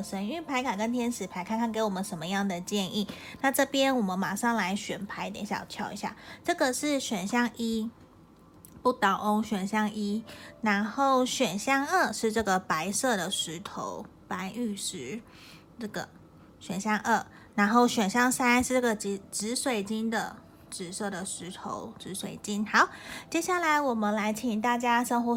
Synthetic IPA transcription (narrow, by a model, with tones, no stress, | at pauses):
ʂə˧˥ny˥˩pʰa˧˥ɪkʰa˨˩kə˦˥nt̪ʰjɛ˥nʂɻ̩˨˩pʰa˧˥ɪkʰa˥˩nk̪ʰa˥ke˧˥ɪwɔ˨˩mə˨˦nʂə˨˥nmə˦jɑ˥˩ŋd̪ə˩t͡ɕjɛ˥˧nʔi˥˩na˥˧ʈ͡ʂɤ˥˧pjɛ˦˥nwɔ˨˩mə˦nma˨˩ʂɑ˥˩ŋla˧˥ɪɕɥɛ˨˩npʰa˧˥ɪt̪jɛ̰˧˥nɕjɑ̰˨˩ʊt̪ʰjɑ˧˥˩ʊḭ˧˥ɕja̰˥˩ʈ͡ʂɤ˥˩ɡə˨ʂɻ̩˥˩ɕɥɛ˨˩nɕjɑ˥ŋʔi˦˥ | pu˥˩t̪ɑ˨˩ʊʔo˦˥ŋɕɥɛ˨˩nɕjɑ˥ŋʔi˦˥na˧˥nxo˥˩ʊɕɥɛ˨˩nɕjɑ˥˧ŋə˥˧ʂɻ̩˥˧ʈ͡ʂɤ˥˩ɡə˨˩pa˧˥ɪsɤ˥˩d̪ə˩ʂɻ̩˧˥t̪ʰo̰˧˦ʊ | pa˧˥ny˥˩ʂɻ̩˧˦ | ʈ͡ʂɤ˥˩ɡə̰˩ | ɕɥɛ˨˩nɕjɑ˥ŋʔə˥˩ | na˧˥˦nxo˥˩ʊɕɥɛ˨˩nɕjɑ˥˧ŋsa˥nʂɻ̩˥˩ʈ͡ʂɤ˥˩ɡə˩t͡ɕi˧˥ʈ͡ʂɻ̩˧˥swe˨˩ɪt͡ɕi˥nd̪ə˨ | ʈ͡ʂɻ̩˨˩sɤ˥˩d̪ə˩ʂɻ̩˧˥t̪ʰo̰˧˥ʊʈ͡ʂɻ̩˧˥swe˨˩ɪt͡ɕi˦˥nxɑ˨˥˦ʊt͡ɕjɛ˥ɕja˥˩la˧˦ɪwɔ˨˩mə˦nla˧˥ɪt͡ɕʰi˨˩ŋt̪a˥˩t͡ɕja˥ʂɤ˥ŋxwɔ˧˦